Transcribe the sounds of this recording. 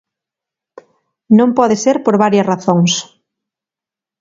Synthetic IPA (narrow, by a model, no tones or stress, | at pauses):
nõmpɔðeseɾpoɾβaɾjɐsraθoŋs